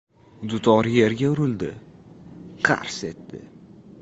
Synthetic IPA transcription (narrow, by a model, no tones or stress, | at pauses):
d̪ʊt̪ʰɒɾje̞ɾɡʲaʊɾɪld̪ɪ | qʰɑ̰ɾse̞t̪ːɪ̰